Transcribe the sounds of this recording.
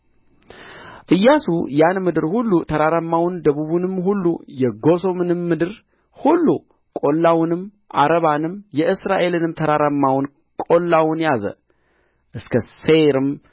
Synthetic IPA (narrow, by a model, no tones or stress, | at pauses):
ʔɨjːasṵjanmɨd̪ɨɾhulːut̪ʰəɾaɾəmːawnd̪əβuβunɨmhulːujɛɡo̞so̞mɨnɨmːɨd̪ɨɾ | hulːu | kʼo̞lːawʊnɨm | ʔaɾəβanɨmjɛʔɨsɾaʔe̞lɨnɨmt̪ʰəɾaɾamːawʊn | kʼo̞lːawʊnjazə̰ | ʔɨskʰəseɾɨm